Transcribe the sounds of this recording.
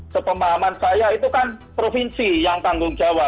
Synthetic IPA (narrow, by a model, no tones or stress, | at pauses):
səpəmaɦamansajait̪ukanpɾofinsijaŋt̪aŋɡʊŋd͡ʒ̥awap̚